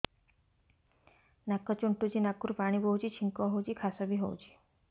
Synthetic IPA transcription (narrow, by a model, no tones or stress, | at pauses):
nakːɔt͡ʃuɳʈud͡ʒinakːuɾpaɽ̃ibɔɦut͡ʃʰit͡ʃʰiŋkɔɦowt͡ʃikʰasɔbiɦowt͡ʃʰi̥